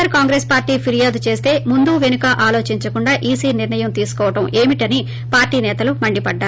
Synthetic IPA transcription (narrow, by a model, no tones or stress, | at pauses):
ɐɾkaːŋɡɾeːspaːɾʈiːpʰiɾijaːd̪ut͡ʃe̞ːst̪e̞ːmund̪uːʋe̞nukɐʔaːlo̞ːt͡ʃiɲt͡ʃɐkuɳɖaːʔiːsiːniɾɳɐjɐmt̪iːsu̥kɔːʋɐʈɐmeːmiʈɐni | paːɾʈiːnɛːt̪ɐlumɐɳɖipɐɖːaːɾ